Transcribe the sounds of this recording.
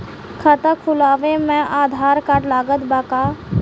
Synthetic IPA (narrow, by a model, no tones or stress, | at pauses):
kʰət̪əkʰʊlaːʋẽmɛ̃ʔaːd̪ʱaːɾkaʈlaːɡət̪baːkaː